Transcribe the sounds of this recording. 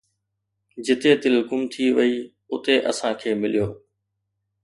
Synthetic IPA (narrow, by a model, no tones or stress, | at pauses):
d͡ʑɪt̪et̪ɪlʊkʊmt̪ʰiʋɐi | ʊt̪eʔɐ̰sãkʰeːmɪlijoː